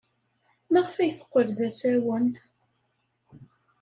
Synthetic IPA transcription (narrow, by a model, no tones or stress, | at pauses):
mæʁəfæjθə̥qʷːəɾðæsæwən